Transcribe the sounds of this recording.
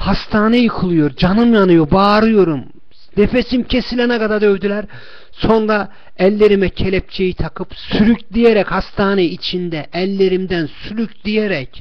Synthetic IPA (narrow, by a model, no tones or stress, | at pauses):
hast̪ʰaːnejɯkʰɯlˠujo̞ɾd͡ʒanɯmjanɯjo̞baːɾɯjo̞ɾum | d̪efesimcʰe̞silʲɛnaɡad̪ad̪ø̞vd̪ylʲæɾ | so̞nɾa | ɛlʲːe̞ɾimɛcʰelʲɛp̚t͡ʃʰejit̪ʰakʰɯpsyɾycd̪ijeɾɛchast̪ʰaːnɛit͡ʃʰind̪ɛʔɛlʲːe̞ɾimd̪ænsyɾycd̪ijeɾɛc